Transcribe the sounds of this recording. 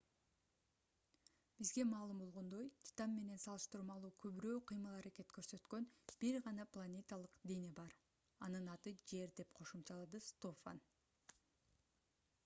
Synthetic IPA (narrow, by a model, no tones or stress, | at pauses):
b̥izɡe̞mɑːlˠɯmbo̞lˠʁo̞nd̪o̞jt̪ʲʰi̥t̪ɑmːe̞ne̞nsɑlˠɯʃt̪ɯɾmɑlˠuːkʰøβyɾøːqʰɯjmɯlˠɑɾake̞t̪kø̞ɾsø̞t̪kø̞nb̥iɾʁɑnɑplˠanʲet̪alˠɯqd̪enebɑɾ | ɑnɯnɑt̪ɯd͡ʒe̞ɾd̪e̞pqʰo̞ʃumt͡ʃɑlˠɑd̪ɯst̪ofa̰n